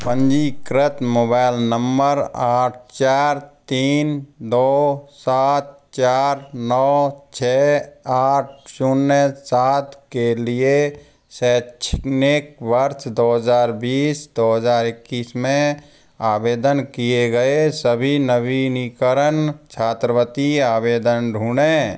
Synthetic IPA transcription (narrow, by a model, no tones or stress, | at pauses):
pə̃nd͡ʒikɾət̪moːbaːɪlnəmbəɾaːʈ̚ʰt͡ʃaːɾt̪iːnd̪oːsaːt̪̚ | t͡ʃaːɾnɔːt͡ʃʰɛːaːʈ̚ʰsunːesaːt̪kelie | sɛːt͡ʃʰɪkneːk̚ʋəɾtd̪oːɦəzaːɾbiːsd̪oːɦəzaːɾɪkːiːsmẽ | aːbeːd̪ənkijeɡəesəbʱinəbinikəɾənt͡ʃʰaːt̪ɾəwət̪iaːbeːd̪ənɖʱuːɽeː